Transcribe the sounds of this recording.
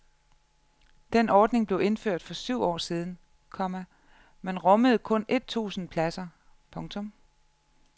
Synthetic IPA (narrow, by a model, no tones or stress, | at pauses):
d̥enɒːd̥ne̝ŋb̥le̝ʊe̝nføɐ̰d̥fɒ̽syʊ̰ɒ̰ːsiːð̞ˠn̩ | kʰɒ̽mæ | menʁɒ̽məð̞̩ˠkʰɔ̽nʔe̝d̥̚t͡sʰṵːsn̩pʰlæsɐ | pʰɔ̽ŋt͡sʰɔ̽m